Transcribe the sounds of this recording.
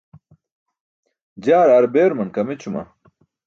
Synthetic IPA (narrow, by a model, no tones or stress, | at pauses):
d͡ʑaːɾaːɾbeːɾmɐnkɐmet͡ɕʰumɐ̰